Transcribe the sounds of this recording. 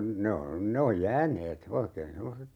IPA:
ne on ne oj jæːneːt oikeːn semːoset

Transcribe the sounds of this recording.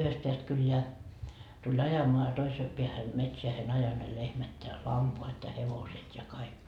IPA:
yhest peæst kylːeæ tulʲ ɑjɑmoɑ jɑ toiseː peæhæn metseæhen ɑjo ne lehmæt jɑ lɑmpoɑt jɑ heʋoset jɑ kɑik

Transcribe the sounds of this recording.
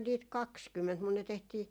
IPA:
niːt kɑkskymːent mun ne tehtiː

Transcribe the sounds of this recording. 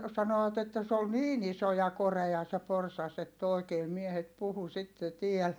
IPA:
sɑnoʋ̆ɑt etːæ s ol niːn iso jɑ korej̆ɑ se porsɑs etː oˑi̯keː miehet puhu sitːe tiɛl

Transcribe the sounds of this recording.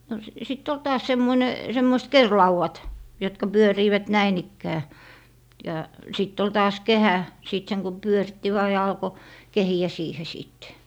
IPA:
no si sitː ol tɑːs semːoĭne semːoist kerlɑuwɑt jotkɑ pyøriːʋæt næin ikːæː jɑ sitː ol tɑːs kehæ siˑt seŋ ku pyøritːi ʋɑː jɑ ɑlko kehiæ siːhe siˑt

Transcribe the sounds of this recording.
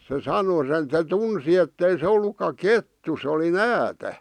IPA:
se sɑno sen se tunsi etːei se olːukːɑ ketːu se oli næːtæ

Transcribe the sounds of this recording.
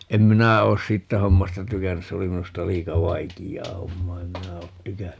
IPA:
em minæ oːs siːtːæ homːɑstɑ tykænːys se oli minustɑ liːkɑ ʋɑikijːɑː homːɑː em minæ oːt tykænːy

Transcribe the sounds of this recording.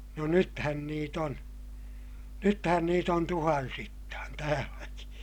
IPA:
no nythæn niːt on nythæn niːt on tuhɑnsitːɑːn tæːlːæki

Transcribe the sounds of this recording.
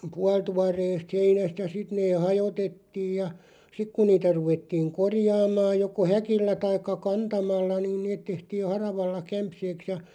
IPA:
puɑltuɑrˑeːst heinæst jɑ sit neː hɑjotetːiːj̆ jɑ jɑ sik kun niːtæ ruʋetːiːŋ korjɑːmɑːj joko hækilːæ tɑikːɑ kɑntɑmɑlːɑ niːn neːt tehtiːn̞ hɑrɑʋɑlːɑ kæmpseːks jɑ

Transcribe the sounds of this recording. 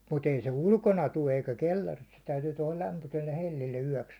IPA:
mut ei se ulkonɑ tu eikæ kelʲːɑris se tæytyː tuɒlɑ læmpyselːe helʲːilːe yæ̹ks

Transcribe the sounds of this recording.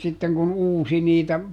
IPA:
sitːeŋ kun uːsi niːtæ

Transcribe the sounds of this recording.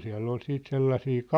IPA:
siæ̝lː ol siːt selːɑsiː

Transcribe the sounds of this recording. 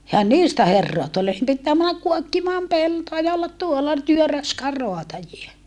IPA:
ehæn niːstæ herːoɑ tule ei pitːæː mænːæk kuokːimɑːm peltoɑ jɑ olːɑt tuolːɑ tyø rɑskɑːr roɑtɑjie

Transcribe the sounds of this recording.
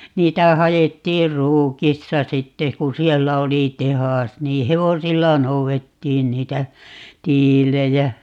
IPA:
niːtæ hɑjetːiːr ruːkistɑ sitːe ku sielːæ oli tehɑˑs niː heʋosilːɑ nouetːiːn niːtæ tiːlejæ

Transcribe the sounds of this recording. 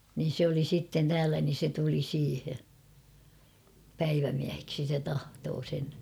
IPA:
nin̞ sĕ oli sitːen tæːlæ nin̞ se tuli siːhe pæiʋæmiæheksi se tɑhtoː sen

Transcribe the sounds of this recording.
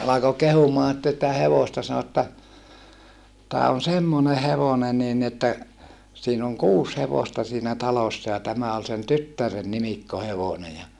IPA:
ɑlɑko kehumɑː sĭtːe sitæ heʋostɑ sɑno etːæ tæː on semːone heʋone niːn ni etːæ siːn oŋ kuːs heʋostɑ siːnæ tɑlosːɑ jɑ tæmæ ol sen tytːæren nimikːoheʋone jɑ

